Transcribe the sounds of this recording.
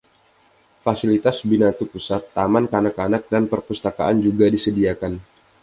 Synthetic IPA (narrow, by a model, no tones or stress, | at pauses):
fasilit̪asbinat̪upusat̪ːamankanakanak̚danpərpust̪aka̰ʔand͡ʒuɡadisədiakan